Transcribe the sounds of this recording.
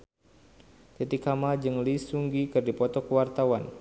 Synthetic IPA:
t̪it̪ikamad͡ʒɨŋlisuŋɡikɨrdipɔt̪ɔkəwart̪awan

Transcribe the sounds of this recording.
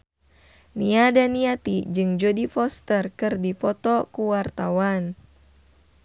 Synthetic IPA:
niadaniat̪id͡ʒɨŋd͡ʒodifɔst̪ərkɨrdipɔt̪ɔkuwart̪awan

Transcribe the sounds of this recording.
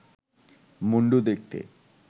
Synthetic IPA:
muɳɖud̪ek̚t̪ḛ

